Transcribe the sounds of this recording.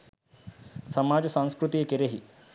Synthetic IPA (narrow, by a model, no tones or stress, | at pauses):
sɐmad͡ʑsãñskɾut̪ijkeɾeɦi